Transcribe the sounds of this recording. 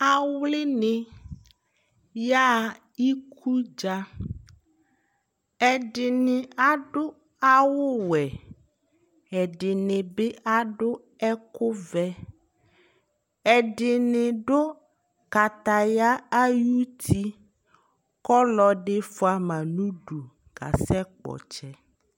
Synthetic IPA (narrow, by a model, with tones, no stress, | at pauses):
a˨wlɪ˦nɪ˨ | ja˦ | i˦kʰu˦d͡ʒa˦ | ɛ˨ɖɪ˨nɪ˨a˨ɖʊ˦ | a˦wʊ˦wɛ˨ | ɛ˨ɖɪ˨nɪ̃˨bɪ˦ʔa˦ɖʊ˦ | ɛ˦kʊ˦vɛ˦ | ɛ˨ɖɪ˨nɪ˨ɖo˦ | ka˨t̪a˨ja˦a˦ju˦t̪ʰi˦ | kɔ˦lɔ˨ɖe˦fo˦a˨mã˨nũ˦ɖu˨ | ɡ̥a̰˨sɛ˦k͡pɔ̰˨t͡ʃɛ˦